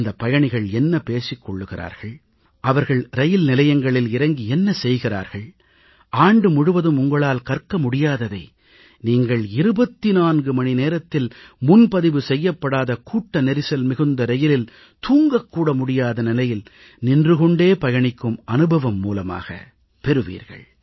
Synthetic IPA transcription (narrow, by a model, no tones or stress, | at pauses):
nd̪ɐpːɐjɐɳɪɣɐɭɛnːɐpeːsɪkːɔɭːɯɣɪɾa̰ːɾɣɐɭ | ʔɐʋɐɾɣɐɭɾɐjɪlnɪlɐjɐŋɡɐɭɪlɪɾɐŋɡiɛnːɐsɛjɣɪra̰ːɾɣɐɭ | aːɳɖɯmʊɽɯʋɐðɯmʊŋɡɐɭaːlkɐrkɐmʊɽɪjaːðɐðɐɪ | niːŋɡɐɭɪɾɯbɐt̪ːinaːnɡɯmɐnineːɾɐt̪ːɪlmʊnpɐðɪʋɯsɛjːɐpːɐɽaːðɐkuːʈːɐnɛɾɪsɐlmɪɣɯnd̪ɐɾɐjɪlɪl | t̪uːŋɡɐkːuːɽɐmʊɽɪjaːðɐnɪlɐjɪl | nɪndrɯɣɔɳɖeːpɐjɐɳɪkːɯmɐnɯbɐʋɐmːuːlɐma̰ːɣɐ̰ | pɛɾɯʋḭːɾɣɐ̰ɭ